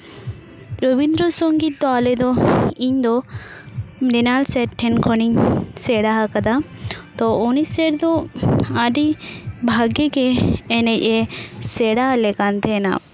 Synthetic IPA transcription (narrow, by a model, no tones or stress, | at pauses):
ɾobind̪ɾɔsɔŋɡit̪̚d̪ɔalɛd̪ɔiɲd̪ɔ | nɛnalsɛɾʈʰːɛnkʰɔniɲsɛɽaɦakad̪at̪ɔɔnisɛɾd̪ɔaɖibʱaɡɛɡɛːnɛc̚ˀɛsɛɽalɛkant̪ʰɛna̰